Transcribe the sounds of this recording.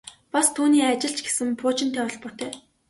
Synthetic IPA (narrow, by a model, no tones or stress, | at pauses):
past̪ʰuːniːat͡ɕɪ̆ɬt͡ɕɡe̥sɘ̆mpʰʊːt͡ɕɪnt̪ʰæːɔɮpʊ̆r̥t̪eː